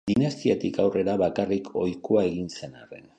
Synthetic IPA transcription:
d̪̥inast̪iat̪ikawre̞ɾaβakarikʰo̞jkoae̞ɣ̞inse̞nare̞̰n

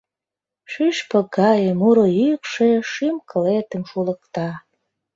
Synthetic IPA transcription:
ʃyʃpə̆kɑjəmuɾojykʃeʃymkəlet̪ə̆mʃulə̆kt̪ɑ

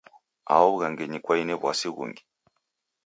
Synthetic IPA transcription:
a̰ɔβuɣaŋɡɛɲikwainɛβwasiɣṵŋɡi

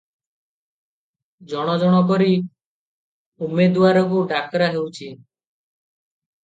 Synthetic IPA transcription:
d͡ʒɔɽ̃ɔd͡ʒɔɽ̃ɔp̬ɔɾi | umed̪waɾɔk̬uɖakɾaɦewt͡ʃʰi

